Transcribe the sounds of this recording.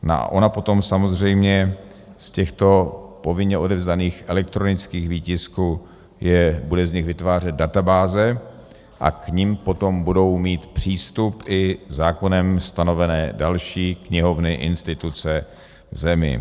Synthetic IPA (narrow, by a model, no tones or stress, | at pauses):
no̰ʔa̰ʔo̞napo̞t̪o̞msamo̞zr̝ɛjmɲɛ | scɛxt̪o̞po̞vɪɲɲɛʔo̞dɛvzdaniːxʔɛlɛk̚t̪ɾo̞nɪt͡skiːɣviːcɪsku | jɛbudɛzɲɪɣvɪt̪vaːr̝ɛd̪̚dat̪abaːzɛ | ʔa̰kɲimpo̞t̪o̞mbudo̞wmiːt̪pr̝̥iːst̪upʔɪzaːko̞nɛmst̪ano̞vɛnɛːdalʃiːkɲɪɦo̞vnɪʔɪnst̪ɪt̪ut͡sɛ | vzɛmɪ̰